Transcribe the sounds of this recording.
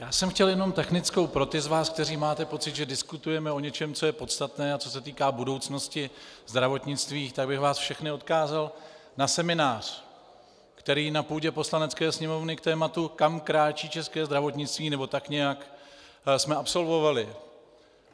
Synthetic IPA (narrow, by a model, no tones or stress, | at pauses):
jaːsɛmxcɛljɛno̞mt̪ɛxnɪt͡sko̞wpɾo̞t̪ɪzvaːsk̚t̪ɛriːmaːt̪ɛpo̞t͡sɪd̪ʒɛdɪskut̪ujɛmɛo̞ɲɛt͡ʃɛmt͡so̞jɛpo̞t̪st̪at̪nɛːat͡so̞sɛt̪iːkaːbudo̞wt͡sno̞scɪzd̪ɾavo̞t̪ɲɪt͡st̪viːxt̪aɡ̚bɪxvaːsfʃɛxnɪo̞t̪kaːzal | nasɛmɪnaːr̝̥ | kt̪ɛɾiːnapuːɟɛpo̞slanɛt͡skɛːsɲɛmo̞vnɪkt̪ɛːmat̪ukamkɾaːt͡ʃiːt͡ʃɛskɛːzd̪ɾavo̞t̪ɲɪt͡st̪viːnɛbo̞t̪akɲɛjak | smɛapso̞lvo̞valɪ